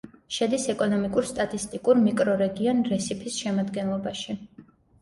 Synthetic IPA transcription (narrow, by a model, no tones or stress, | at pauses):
ʃɛd̪isɛkʼɔnɔmikʼuɾst̪ʼat̪ʼist̪ʼikʼuɾmikʼɾɔɾɛɡiɔnɾɛsipʰisʃɛmad̪ɡɛnlˠɔbaʃi